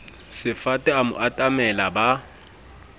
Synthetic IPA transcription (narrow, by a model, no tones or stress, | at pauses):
sɪfatʼɛamʊ̰ʔatʼamɛlaba